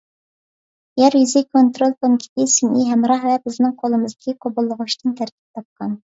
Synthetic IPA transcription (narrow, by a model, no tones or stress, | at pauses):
jɛɾjyzɪkʰont̪ɾolˠp̪ʰonkʲʰi̥t̪ɪsinʔiɦɛmɾɑhvɛbɪznɪŋqʰolˠɨmɨzd̪ɪkʲiqʰobolˠːəʁʊʃt̪ɨnt̪ʰæɾkʲʰi̥p̚t̪ʰɑp̚qɑn